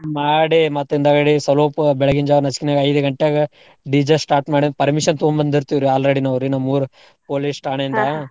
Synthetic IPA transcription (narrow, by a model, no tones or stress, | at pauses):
maːɽimɐt̪ːind̪aːɡɐɽisɐloːpbɛɭɐɡiɲd͡ʒaːʋɐnɐt͡ʃkinaːɡɐɐjd̪uɡɐɳʈːejaːɡɐ | ɖid͡ʒɐsʈaːɾʈmaːɽipɐɾmiʃɐnt̪umbɐnd̪iɾt̪iʋɾuaːlɾɐɽinɐʋɾinɐmuːɾu | poːlisʈaːɳend̪ɐ